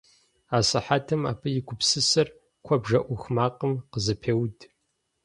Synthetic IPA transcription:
aːsɐħatʰɐma̰ːpʰɨjɪkʷʰʊpsɨsɐr | kʷʰɔbʒɐʔʷʊxmaːqʼəmqəzɨpʰeːwdʰʼ

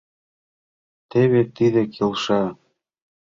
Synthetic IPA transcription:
t̪eβet̪iðĕkʰelʃɑ

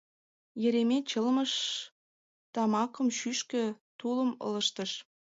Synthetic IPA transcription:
jə̆ɾemʲet͡ɕə̆lmə̆ʃ | t̪ɑmɑkɤ̆mʃyʃkø̆t̪ulə̆mɤ̰lə̆ʃt̪ə̆ʃ

